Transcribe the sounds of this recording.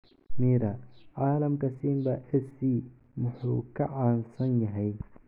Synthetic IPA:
miːɾɐʕaːlɐmkɐsiːmbɐʔɛsiː | mʊħṵːkʰɐʕaːnsɐnjɐɦɛj

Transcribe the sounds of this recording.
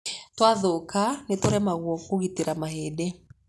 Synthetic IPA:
twaðokanetoɾɛmaɣwɔkoɣiteɾamaɦeːde

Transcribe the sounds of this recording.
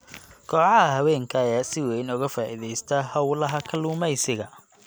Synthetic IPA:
kʰɔːʕɑɦɐɦɐwɛːŋkʰɐːjaːsɪwɛjnʊɣɐfaːʔɪðɛjst̪ʰɐhɐwlɐɦɐkʰɐluːmɛjsɪɣɐ

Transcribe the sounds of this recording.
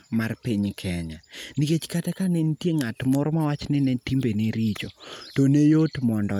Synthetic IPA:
marpiɲkʰɛɲaniket͡ʃkatɛkanenitjeŋatmɔɾɔmawat͡ʃnɪnetimbeneɾit͡ʃotonejotmɔndɔ

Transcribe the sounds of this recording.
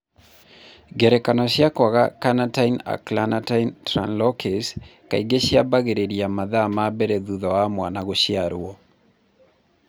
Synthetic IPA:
ɡɛɾɛkanɔʃjakwaɣakanataina̰klanataintɾa̰nlɔkɛska̰iɡeʃjabaɡeɾeɾiamaðamabɛɾɛðuðɔamwanaɣoʃjaɾwɔ

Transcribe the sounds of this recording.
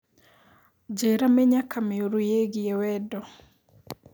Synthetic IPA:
d͡ʒeɾamɛɲakʰamɪoɾujeɡɪɛwɛdɔ

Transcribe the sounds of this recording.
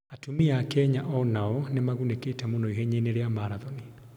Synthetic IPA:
atumiakɛɲaʔɔnaɔnemaɣuneketɛmonɔiɦɛɲeneɾeamaɾaðɔni

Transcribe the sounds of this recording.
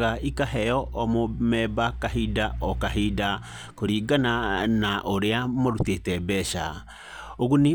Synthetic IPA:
ɣaikaɦɛjɔʔɔmomɛbakaɦidaɔkaɦida | koɾiːɡananaʔoɾeamoɾutetɛbɛʃa̰ | oɣune

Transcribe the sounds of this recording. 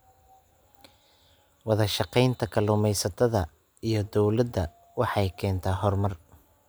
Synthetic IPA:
wɑðɐʃɑqɛjnt̪ʰɐkʰɐlʊmɛjsɐt̪ʰɐðɐ | ijɞd̪ɔwlɐd̪ɐ | wɑħɑjkʰɛːnt̪ʰaːɦɔrmɐr

